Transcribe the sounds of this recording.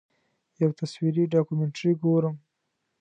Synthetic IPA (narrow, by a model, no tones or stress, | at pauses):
jawt̪aswiɾiɖɑkumeɳʈɾiɡoɾəm